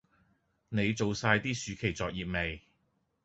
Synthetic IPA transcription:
ne˨˧jt͡so˨wsaː˧jt̪iː˥syː˨˧˥kʰe˨˩jt͡sɔː˨˧k̚jiː˨p̚me˨j

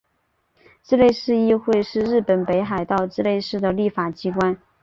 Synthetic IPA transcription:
ʈ͡ʂɻ̩˥˧le˥˧ɪʂɻ̩˥˧i˥˧xwe˥˧ɪʂɻ̩˥˧ɻɻ̩˥˩pə˨˩npe˧˥ɪxa˨˩ɪt̪ɑ˥˧ʊʈ͡ʂɻ̩˥˧le˥˧ɪʂɻ̩˥˩d̪ə˩li˥˩fa˨˩t͡ɕi˥kwa˥n

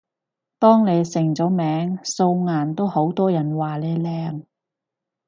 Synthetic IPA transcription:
t̪ɔː˥ŋle˨˧jsɪ˨˩ŋt͡sɔː˨˥mɛː˨˥ŋso˧wŋaː˨˩nt̪o˥who˨˥wt̪ɔː˥jɐ˨˩nwaː˨lɛː˨˧lɛː˧˥ŋ

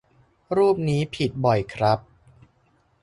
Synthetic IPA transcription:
ɾuː˥˩p̚niː˦˥pʰi˨˩t̪̚bɔ˨˩jkʰɾa˦˥p̚

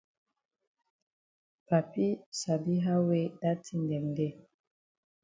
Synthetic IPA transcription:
pa˨pi˦sa˨bi˦ɦa˦we˦da˦ti˦ndɛ˨ŋdɛ˦˨

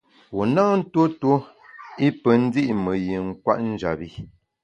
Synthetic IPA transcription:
wo˨naː˦n̩˦to˦to˦ | i˦pə˨n̩˦di˦ʔmə˨ji˨ŋ̩˦kwa̰˦ʔn̩˦d͡ʒa̰˨bi˦˨

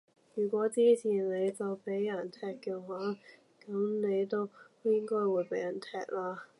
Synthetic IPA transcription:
jyː˨˩kʷɔː˨˥t͡siː˥t͡sʰiː˨˩nle˨˧jt͡sɐ˨wpe˨˥jːɐ˨˩nt̪ʰɛː˨˧kːɛː˧waː˨˥ | kɐ˨˥mne˨˧jt̪o˥wjɪ˥ŋkɔː˥jwuː˨˥jpe˨˥jɐ˨˩nt̪ʰɛː˧k̚laː˧

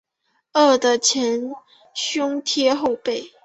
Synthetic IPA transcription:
ə˥˩d̪ə˨t͡ɕʰjɛ˧˥n | ɕjʊ˥ŋt̪ʰjɛ˥xo˥˧ʊpe˥˩ɪ

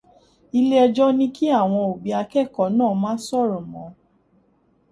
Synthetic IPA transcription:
i˧le˦ɛ˧d͡ʒɔ˦nĩ˧ki˦a˦˨w̃ɔ̃˧o˨bi˨˦a˧kɛ˦˨kɔ˨˦nãː˦˨˦mãː˦sɔ˦˨ɾɔ̃˨mɔ̃˨˦

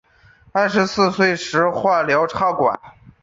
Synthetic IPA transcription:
a˥˩ʂɻ̩˧˥sɹ̩˥˧swe˥˩ɪʂɻ̩˧˥xwa˥˩ljɑ˧˥ʊʈ͡ʂʰa˥˩ʊkwa̰˨˩˦n

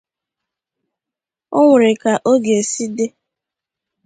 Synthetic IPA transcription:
o˦ŋʷʊ˨ɾɪ˨ka˨ʔo˦ɡe˨e˨si˦de˦

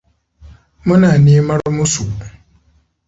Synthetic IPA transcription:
mə˦na˨ni˦ma˦ɾmu˦su˨

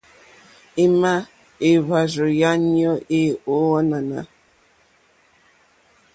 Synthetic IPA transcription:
e˦ma˦ | e˨βa˨zo˨ja˦njɔ˦ʔe˦o˨˦wɔ˦na˨na̰˨

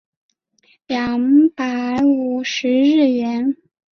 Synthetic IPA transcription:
ljɑ˨˩ŋpa˧˥ɪɪu˨˩ʂɻ̩˧˥ɻɻ̩˥˩ɥɛ˧˥n

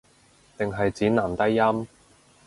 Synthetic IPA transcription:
t̪ɪ˨ŋɦɐ˨jt͡siː˨˥naː˨˩mt̪ɐ˥jːɐ˥m

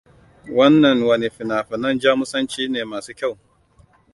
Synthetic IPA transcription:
wɐ˦nːɐ˨ŋwɐ˨ne˨ɸɪ˨naː˨ɸɪ˨nɐ˦nd͡ʒaː˦mʊ˦sɐ˦nt͡ʃiː˦neː˨maː˨suː˦kʲa˦˨w

